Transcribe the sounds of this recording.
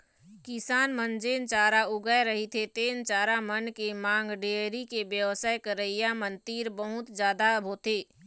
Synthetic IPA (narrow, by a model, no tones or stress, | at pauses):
kɪsaːnmənd͡ʒeːnt͡ʃaːɾaʊɡəeɾəɦit̪ʰet̪eːnt͡ʃaːɾamənkemãːŋɡɖeːɾikebjəʋsaːjkəɾəijamənt̪iːɾbəɦʊt̪d͡ʒjaːd̪aəbʱot̪eː